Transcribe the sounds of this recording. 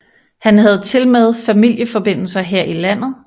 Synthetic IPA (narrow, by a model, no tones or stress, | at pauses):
hænɦæð̞̩ˠt͡sʰe̝lmɛð̩ˠfæmil̰jəfɒ̽b̥e̝n̰l̩sɐɦeɐ̰ʔilæn̰ð̩ˠ